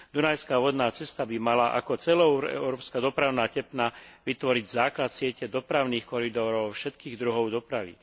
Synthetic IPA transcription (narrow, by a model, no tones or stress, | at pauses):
d̪unajskaʋɔd̪naːt͡sɛst̪abimalaʔa̰kɔt͡sɛlɔʊɛ̰ʊɾɔːpskad̪ɔpɾaʊnaːcɛpnaʋit̪ʋɔɾiɟzaːklat̪sɪɛcɛd̪ɔpɾaʊniːxkɔɾid̪ɔɾɔʊfʃɛt̪kiːɣd̪ɾuɦɔʊd̪ɔpɾaʋḭ